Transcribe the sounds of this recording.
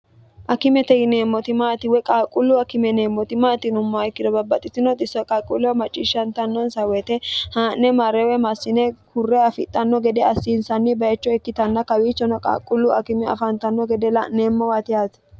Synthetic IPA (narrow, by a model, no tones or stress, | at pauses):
ʔɐkɪmɛt̪ɛɡɪne̞ːmːɔt̪ɪmaːt̪ɪwɛkʼaːkʼʊlːʊɐkɪmɛneːmːɔt̪ɪmaːt̪ɪnʊmːɔɐɪkːɪd̪ɔbɐbːɐt̪ʼːɪt̪ːɪnɔt̪ʼɪsːɔkʼaːkʼːʊlːɛwmɐt͡ʃʼːiːʃːɐnt̪ɐnːɔnsɐwɛt̪ɛhaːnnːɛmɐɾɛwɛmɐsːɪnɛkʊrːɛɐfɪt̪ʼːɐnːɔɡɛd̪ɛɐsːinsɐnːɪbɐɛt͡ʃːɔɛkːɪt̪ɐnːɐkɐwiːt͡ʃːɔnɔkʼa̰ːkʼːʊlːʊɐkɪmɛɐ̰fɐnt̪ɐnːɔɡɛd̪ɛlɐneːmːɔwat̪ɪat̪